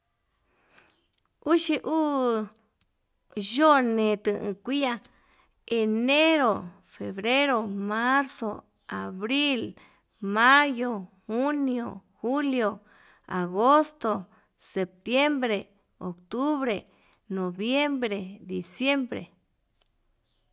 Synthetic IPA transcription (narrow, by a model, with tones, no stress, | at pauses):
u˦ʃi˧ʔuː˦ | ʒo˦nẽ˨˧t̪ɨ̃˧˨ʔɨ̰̃˧kʷi˦a˧ | e˨˧ne˦ɾo˨ | fe˨βɾe˦ɾo˧˨mã˦ɾso˨ | a˨βɾi˦l | mã˦jo˨hu˦njo˨hu˦ljo˨ | a̰˨ɣo˦st̪o˨ | se˨p̚t̪je˦mbɾe˨ | o˨kt̪u˦βɾe˨ | nõ˨βje˦mbɾe˨d̪i˨sje˦mbɾḛ˨